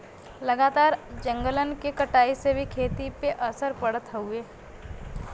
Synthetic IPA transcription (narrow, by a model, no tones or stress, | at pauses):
ləɡaːt̪aːɾd͡ʒə̃ŋɡələnkekəʈaːisebʱikʰeːt̪ipeʔəsəɾpəɽət̪ɦəueː